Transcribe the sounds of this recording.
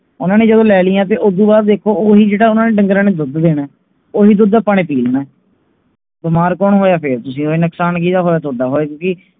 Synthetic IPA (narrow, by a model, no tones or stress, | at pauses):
ʊnãːneːd͡ʒəd̪õːlɛːlɪːãːt̪̬eːʔod̪uːbaːɾd̪eːkʰːoːoːɦiːd͡ʒeːɽaːʊnãːneːɖəŋɡɾãːneːd̪ʊd̪d̪eːɽɛː | oːɦiːd̪ʊd̪pəɽeːpiːlnɛː | bɪmaːɾkɔːnɦoːjaːpʰɪɾt̪ʊsĩːoːiːnəksaːnk̬iːt̪aːɦoːjaːt̪od̪aːɦoːeːkjõːki